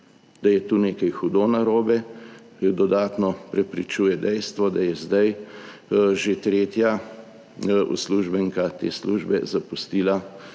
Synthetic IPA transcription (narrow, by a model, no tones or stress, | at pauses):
d̪̥ajɛt̪uːneːkɐjxud̪onaɾoːbɛ | d̪ɔd̪aːt̪nɔpɾɛpɾit͡ʃuːjɛd̪ɛjst̪ʋɔd̪ajɛzd̪aj | ʒet̪ɾeːt̪ja | ṵsluʒbɛŋkat̪ḛːsluʒbɛ̰zapust̪iːla